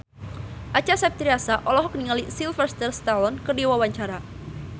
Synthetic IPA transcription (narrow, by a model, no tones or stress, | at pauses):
ʔat͡ʃasɛp̚t̪ɾiasaʔɔlɔɦɔk̚niŋalisilfərst̪ərst̪alɔnkərdiwawaɲt͡ʃaɾa